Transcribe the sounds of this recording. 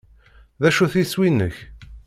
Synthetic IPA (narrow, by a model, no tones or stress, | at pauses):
ðæʃuθiswinːə̰ç